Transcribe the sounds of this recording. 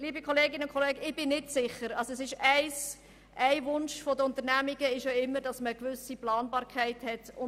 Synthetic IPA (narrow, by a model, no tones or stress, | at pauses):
liːbikʰɔleːɡɪnəʊnkʰɔleːɡəɪb̥ɪnːɪtsɪχəɾɑlsoɛsɪʃæɪs | ʔæɪvʊnʃfɔdəʊnt̪əɾnæmiɡəɪʃoɪmːədɑsməəkʋʏsiplɑːnbɑːɾkʰχæɪthɛtʊ